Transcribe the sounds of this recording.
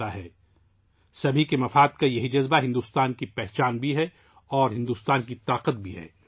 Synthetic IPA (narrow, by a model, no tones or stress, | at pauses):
aɦɛː | sɐbʱikemɐfaːd̪kajɐɦid͡ʒɐzbaɦɪ̃nd̪ust̪aːnkipɛɦt͡ʃaːnbʱiɦɛ | ɔːɾɦɪ̃nd̪uːst̪aːnkit̪aːqət̪̚bʱiɦɛ̰ː